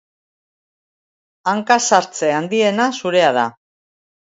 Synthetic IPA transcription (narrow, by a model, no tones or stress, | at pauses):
aŋkasaɾt͡se̞and̪ie̞nasuɾe̞að̞a̰